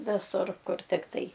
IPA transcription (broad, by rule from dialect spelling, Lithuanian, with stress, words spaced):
ˈʋʲɪsʊr ˈkʊr ˈtʲɪktɐɪ